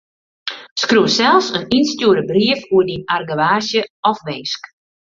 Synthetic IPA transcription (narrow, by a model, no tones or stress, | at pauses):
skruəsɛlˠsəninstjuəɾəbriəfuədinarɡəʋaːsjəɔfʋɪːsk